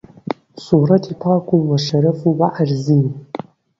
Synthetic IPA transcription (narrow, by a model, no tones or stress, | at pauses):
suɾɑtʰipʰɑːkʷʰuwaʃaɾafubaʔarzin